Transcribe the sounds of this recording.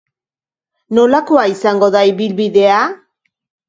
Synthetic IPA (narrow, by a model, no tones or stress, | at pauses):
no̞lako̞aisaŋɡo̞ðaiβilβiðe̞a